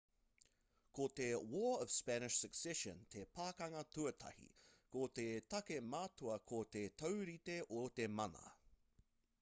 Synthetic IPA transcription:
kot̪ewɔːʌv̥spænɪʃsəksɛʃə̰̃nt̪ʰepʰaːkɐŋɐtuɐtʰɐ̰hḭkot̪et̪ɐkemaːtoɐkʰot̪et̪ʰɐwɾit̪eʔot̪emɐnɐ̰

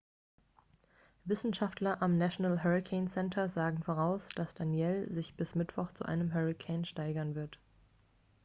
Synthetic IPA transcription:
vɪsn̩ʃaftlɐʔamnaʃonalɦɛʁikʰɛɪnsɛntʰɐzaːɡŋ̩foːʁ̞aʊsd̥asd̥anjɛlzɪçb̥ɪsmɪtv̥ɔχt͡sṵʔa̰ɪnəmɦɛʁikʰɛɪnʃtaɪɡɐnvɪɐt

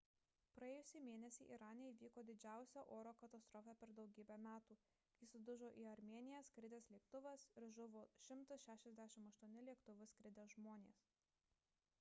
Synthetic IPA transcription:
pɾɐeːjʊsʲimʲeːnʲɛsʲiːʔiɾɑːnʲeiʋʲiːkoːd̪ʲɪd͡ʒʲæˑʊsʲɛːʔoːɾoːkɐt̪ɐst̪ɾɔːfʲæpʲɛɾd̪ɒʊɡʲiːbʲæmʲæːt̪uː | jɪsʊd̪ʊʒoːʔiːɐɾʲmʲeɛnʲɪjɛskɾʲɪd̪ʲɛslʲiɛkt̪ʊʋɐsɪɾʒʊʋoːʃʲɪmt̪ɐsʃʲæːʃʲɛzʲd̪ʲæʃʲɪmɐʃt̪uɔnʲɪlʲiɛkt̪ʊʋʲʊskɾʲɪd̪ʲɛʒmoːnʲeːs

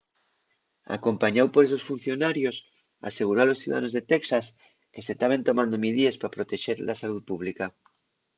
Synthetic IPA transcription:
a̰kompaɲawpoɾes̬osfun̟θjonaɾjos | a̰seɣ̞uɾoalosθiuða̰ano̞zðet̪eksas | keset̪aβ̞ent̪omãnd̪omiðiespɾapɾot̪eʃeɾlasaluðpuβ̞lika

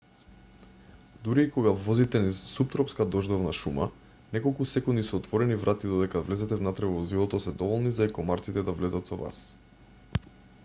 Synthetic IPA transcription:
d̪uɾiːkɔɡavɔzit̪ɛnisup̚t̪ɾɔpskad̪ɔʒd̪ɔvnaʃuma̰ | nɛkɔlˠkusɛkund̪isːt̪vɔɾɛnivɾʔat̪id̪ɔd̪ɛkavlɛzɛt̪ɛvnat̪ɾɛvɔzilˠɔt̪ɔsɛd̪ɔvɔlˠnizaikɔmaɾt̪sit̪ɛd̪avlɛzat̪sɔva̰s

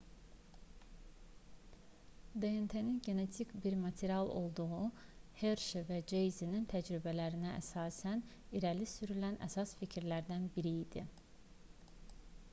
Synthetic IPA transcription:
d̪eent̪ʰeninɟe̞ne̞t̪ʰikbiɾmɑt̪ʰeɾijɑlˠo̞̰lˠd̪uʁuheɾʃevæd͡ʒejzinint̪ʰæd͡ʒɾibælæɾinææ̰sɑːsæn | iɾælisyɾylænʔæ̰sɑsficʰiɾlæɾd̪ænbiɾiːd̪̥i

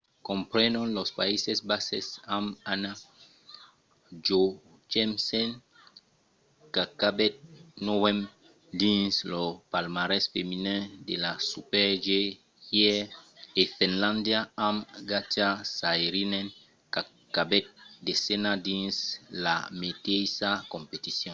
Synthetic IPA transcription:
kɔ̃mpɾɛnɔ̃nlospaisesbasḛsamana | d͡ʒo | t͡ʃɛmsɛn | kakabɛt̪̚nowɛ̃m | d̪ĩnslopalmaɾɛsfeminɛ̃delasupɛʒe | jɛefɛ̃nlãnd̪jaamɡatasajɾinɛn | ka | kːabɛt̪̚desenadĩnslamet̪ejsakõmpet̪isjɔ̃n

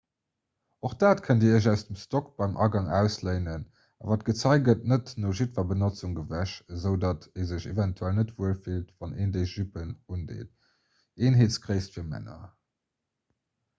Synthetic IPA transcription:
oχd̥aːtkʰəndiːəæʊsd̥əmstokb̥ɑɪmʔɑ̰ɡɑŋæ̰ʊsləɪnən | ɑ̰vaːtɡ̥ət͡sɑɪɡət̚nətnoːʒitvɐbənot͡suŋɡəvæʃəzəʊdɑtʰeːzəɕevɛntʰuælnətv̥uəlfiltvɑnʔeːndeɪʒypənundḛːt̚ | eːnɦeːtt͡skʁəɪstfiːɐmæ̰nɐ̰

